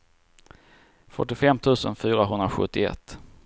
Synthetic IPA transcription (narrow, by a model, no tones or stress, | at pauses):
fœʈːɪfɛmːt̪ʰʉ̟ːsənfyːɾaɦɵnd̪ɾaɧɵ̰t̪ːɪɛ̰t̪ː